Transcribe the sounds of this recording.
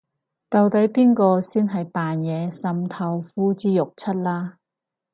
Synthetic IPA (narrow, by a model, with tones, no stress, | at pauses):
t̪ɐ˨˧wt̪ɐ˨˥jpiː˥nkɔː˧siː˥nɦɐ˨jpaː˨njɛː˨˧sɐ˧mt̪ʰɐ˧wfuː˥t͡siː˥lʊ˨k̚t͡sʰɐ˥t̚laː˥